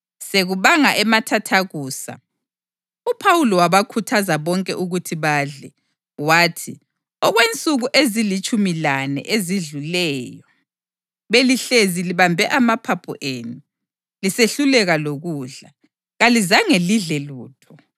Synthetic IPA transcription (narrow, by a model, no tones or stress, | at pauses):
seɣuβaŋaʔɛmatʰatʰaɣuːsa̰ | upʰawulɔwaβakʰutʰazaβɔŋkʼɛ̰ʔuɣutʰiβaːɮɛ | waːtʰi | ɔɣwent͡sʼuɣuʔezilit͡ʃʼumilanɛ̰ʔeziɮulɛːjɔ | βeliɬeziliβambʱɛʔamapʰapʰɔ̰ʔeːnu | liseɬulɛɣaloɣuːɮa | ɣalizaŋeliɮɛluːtʰɔ